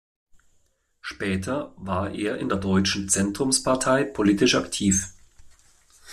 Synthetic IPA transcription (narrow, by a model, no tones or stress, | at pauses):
ʃpɛːtʰɐvaːɐʔeːɐʔɪ̰ndeːɐdɔʏt͡ʃn̩t͡sɛntʁ̥ʊmspʰaɐtʰaɪpʰoliːtɪʃaktʰiːf